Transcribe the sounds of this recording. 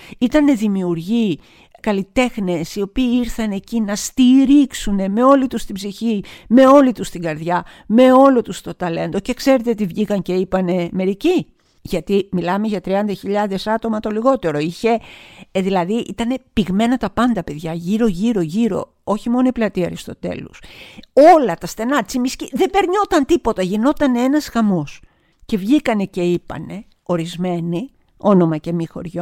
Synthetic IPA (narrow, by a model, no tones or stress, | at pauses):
it̪ɐne̞ðimiuɾʝi | kɐlit̪e̞xne̞sio̞piːiɾθɐne̞cinɐst̪iɾiksune̞me̞o̞lit̪ust̪ibziçime̞o̞lit̪ust̪iɡɐɾðjɐ | me̞o̞lo̞t̪ust̪o̞t̪ɐle̞nd̪o̞ce̞kse̞ɾet̪eot̪ivʝikɐŋce̞ipɐne̞me̞ɾici | ʝɐt̪imilɐmeʝɐt̪ɾiɐnd̪ɐçiʎɐðe̞sɐt̪o̞mɐt̪o̞liɣo̞t̪e̞ɾo̞içe̞ðilɐðiʔḭt̪ɐne̞piɣme̞nɐt̪ɐpɐnd̪ɐpe̞ðʝɐʝiɾo̞ʝiɾo̞ʝiɾo̞̰ | o̞çimo̞noiplɐt̪iɐɾist̪o̞t̪e̞̰lo̰so̞lɐt̪ɐsθe̞nɐt͡simisciðe̞be̞ɾɲo̞t̪ɐnt̪ipo̞t̪ɐʝino̞t̪ɐnee̞nɐzɣɐmo̞s | ce̞vʝikɐne̞ce̞ipɐ̰ne̞ | o̞ɾizme̞ni | o̞no̞mɐce̞mixo̞̰ɾʝo